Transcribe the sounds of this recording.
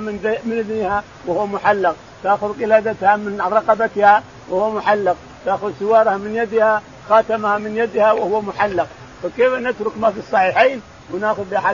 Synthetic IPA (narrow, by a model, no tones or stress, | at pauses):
mɪnmɪnʔɪðniha | wɪhʊwːamʊħalːɪq | t̪aːxʊðqɪlaːd̪at̪hamɪnɾˤɑqɑbat̪ha | wɪhʊwamʊħalːɑq̚ | t̪aːxʊðsɪwɑːɾˤhamɪnjad̪ha | xaːt̪amhamɪnjad̪hawɪhʊwːamʊħalːɑq̚ | fakeːfnɪt̪ɾʊkmafisˤːɑħiːħiːn | wɪnaːxʊðbɪʔaħa